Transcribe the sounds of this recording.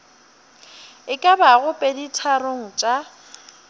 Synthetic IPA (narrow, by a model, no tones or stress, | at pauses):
ɪkʼabaɣʊpʼeditʰaɾoŋ̩t͡ʃʼa